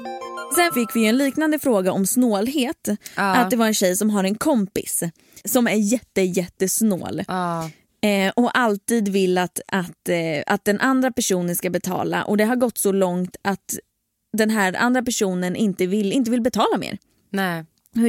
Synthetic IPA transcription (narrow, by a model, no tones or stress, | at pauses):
sɛnfɪkːvɪjɛnliːknand̪əfɾoːɡaɔmsnoːlɦeːt̪ːat̪d̪ɛvaɾɛnɕɛjsɔmɦaɾɛnkʰɔmpɪ̰sː | ɔmæɾjɛt̪ːəjɛt̪ːəsno̰ːl | ʔɔʔalt̪iːd̪vɪlːat̪at̪a̰t̪̚d̪ɛnʔand̪ɾapæʂuːnənskabɛt̪ʰɑ̰ːla̰ʔɔd̪ɛɦaɾɡɔt̪ːsɔlɔŋt̪at̪ | d̪ɛnɦæːɾa̰nd̪ɾapæʂuːnənʔɪnt̪əvɪlːɪnt̪əvɪlbɛt̪ʰɑːlamḛːɾ | nɛ